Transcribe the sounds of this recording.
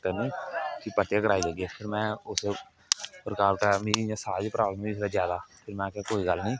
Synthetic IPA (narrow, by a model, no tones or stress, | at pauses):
t̪ənĩːkipəʈːjãːkəɾaːid͡ʒaːɡiɛpʰɪɾmɛ̃ːʊse | pɾəkaːɾkamĩːiãːsaːd͡ʒpɾaːlsɾazjaːd̪aːpʰɪɾmɛ̃ːkakoːiɡəlnĩː